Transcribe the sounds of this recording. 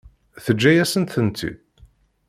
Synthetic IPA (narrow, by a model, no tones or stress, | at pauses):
θəd͡ʒːæjæsənt̪θənt̪ʰḭ